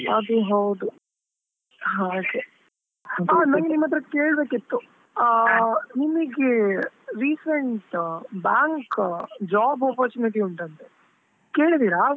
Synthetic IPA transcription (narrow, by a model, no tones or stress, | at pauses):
ɐd̪uɦɐwd̪u | ɦãoke | aːnɐŋɡenimːɐt̪ɾɐke̞ːɭbe̞ːkit̪ːu | nimiɡeɾiːsɐɳʈbaːŋkd͡ʒaːbapɐɾt͡ʃuniʈ̬iuɳʈɐnt̪e | ke̞ːɭid̪iːɾa